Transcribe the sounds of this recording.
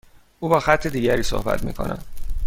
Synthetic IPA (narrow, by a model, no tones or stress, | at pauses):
ʔuːbɒːxæt̪ʰːe̞d̪iːɟæɾiːso̰hbæ̰t̪ʰmḭːkʰo̞̰nʔæ̰m